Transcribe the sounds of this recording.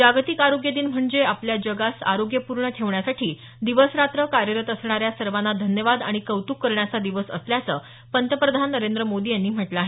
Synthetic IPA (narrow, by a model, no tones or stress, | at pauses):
d͡ʑaɡt̪ikaɾoɡjəd̪iːnm̤əɳd͡zeapljad͡ʑəɡasa̰ɾoɡjəpuɾɳəʈʰeʋɳjasaʈʰiː | d̪iʋəsɾat̪ɾəkaɾjəɾət̪əsɳ̃aɾjasəɾʋanːad̪ʱənjəʋad̪a̰ɽ̃ikəʋt̪ukːəɾɳjat͡sad̪iʋəsə̰sljat͡sə̰ː | pənt̪əpɾəd̪ʱanːəɾend̪ɾəmod̪iːjanːiːm̤əʈləaːɦe